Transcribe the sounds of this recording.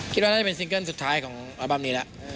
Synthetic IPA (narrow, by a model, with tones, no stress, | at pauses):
kʰi˦t̪̚wa˥˧a˥˩a˨pe˧ns̬i˧ŋkə˥˩nsu˨˩t̪ʰaː˦˥jkʰɔː˩˦ŋɾa˧ba˧˩mniː˦˥la˦˥ʔ